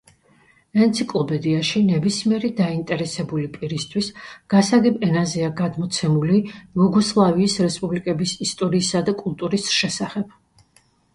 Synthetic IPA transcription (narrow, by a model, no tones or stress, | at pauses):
nɛnt̪sʰikʼlˠɔpʼɛd̪iaʃinɛbismiɛɾid̪aint̪ʼɛɾɛsɛbulipʼiɾist̪ʰwisɡ̥asaɡɛbɛnazɛaɡad̪mɔt̪sʰɛmulibuɡɔslˠaviːsɾɛspʼublikʼɛbisist̪ʼɔɾiːsad̪akʼulˠt̪ʼuɾisʃɛsaχɛb̥